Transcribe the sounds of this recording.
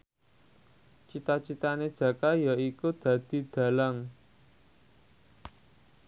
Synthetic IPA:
t͡ʃit̪at͡ʃit̪aned̥ʒ̥ä̤kajaikud̪̥ä̤d̪̥i̤d̪̥ä̤laŋ

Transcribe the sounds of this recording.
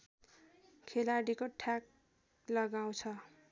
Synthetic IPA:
kʰelaɽikoʈʰak̚ | lʌɡaw̃t͡sʰʌ

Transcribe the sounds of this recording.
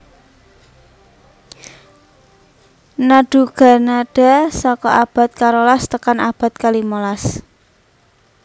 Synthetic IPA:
naɖ̥ṳɡ̥a̤naɖ̥a̤sɔkɔʔab̥a̤t̪̚kaɾolast̪əkanab̥a̤t̪̚kalimolas

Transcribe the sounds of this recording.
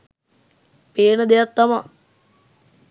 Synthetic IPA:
peːnəd̪ejat̪ːama

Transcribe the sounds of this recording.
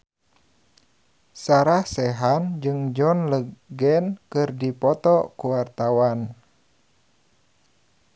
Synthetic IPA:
saɾahsɛɦand͡ʒɨŋd͡ʒɔnləɡɛnkɨrdipɔt̪ɔkuwart̪awan

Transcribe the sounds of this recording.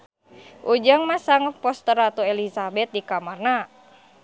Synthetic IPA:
ʔud͡ʒaŋmasaŋəpɔst̪əɾat̪ɔelisabɛt̪̚dikamarna

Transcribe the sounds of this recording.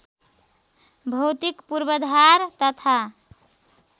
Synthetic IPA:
bʱʌwt̪ikpuɾbəd̪ʱaɾt̪ət̪ʰa

